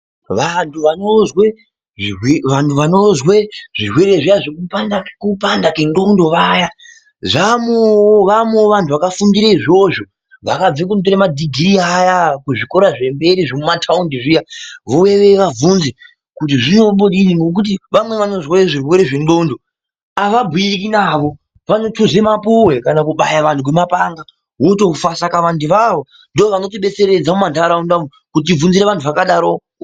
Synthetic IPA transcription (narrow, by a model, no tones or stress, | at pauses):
ʋantʰuʋanozwe | ʐiweʋantʰuʋano̞zweʐ̥irwe̞ɾe̞ʐijaʐekupandaekupandakenɡondo̞ʋaja | ʐamoʋameʋantʰuʋakafundiɾaiʐo̞ʐo | ʋakab͡vek̬unt̬oɾemadʱiɡʱiɾiajakuʐiko̞ɾaʐe̞mbe̞ɾiʐomumatʰaundiʐijaʋoweʋe̞ʋavunze | kut̬iʐino̞ɓoɗiniŋɡok̬ut̬iʋamwe̞ʋano̞ʐwaeʐirwe̞ɾeʐenɡo̞ndo̞ | aʋabʱwiikinaʋo̞ | ʋano̞tʰozemapuwe̞kanakuɓajaʋan̤ʰuk̬wemapaŋɡa | woto̞kufasakaʋandiʋaʋo̞ | ndooʋano̞t̬iɓe̞t͡se̞ɾe̞d͡zamumandaɾaundamu | kut̬ivunziɾeʋantʰuʋakaɗaɾo